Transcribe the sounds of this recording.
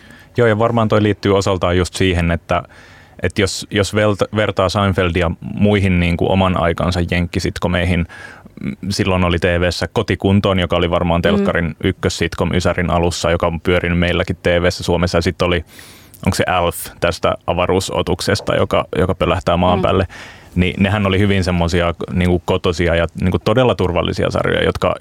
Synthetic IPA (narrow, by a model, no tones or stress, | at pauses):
joːjɑʋɑrmɑːnt̪oiliːt̪ːyːosɑlt̪ɑːjjust̪siːɦenet̪ːæ | ʔet̪josjosʋeltʋert̪ɑːsɑinfeldiɑmuiɦinniːŋkṵʔo̰mɑnɑ̰ikɑ̰nsɑjjeŋkːisit̪komeiɦin | silːonolit̪eːʋeːsːækot̪ikunt̪oːnjokɑoliʋɑrmɑːnt̪elkːɑrinykːøssit̪konʔysærinɑlusːɑjokɑompyøɾinymmeilːækit̪t̪eːʋeːsːæsuomesːɑjɑsit̪ːoli | ʔo̰ŋksḛʔælft̪æst̪æ̰ɑʋɑruːso̰t̪uksest̪ɑ̰jo̰kɑ̰jokɑpølæht̪æːmɑːmpæ̰ːlːenḭneɦænolihyʋinsemːosiɑniːŋkukot̪osiɑjɑniːŋkutt̪odelːɑt̪urʋɑlːḭsiɑ̰sɑ̰rjo̰jɑ̰jot̪kɑ̰